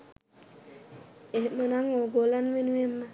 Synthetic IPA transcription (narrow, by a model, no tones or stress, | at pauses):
emənaŋoɡolanwenuwemːa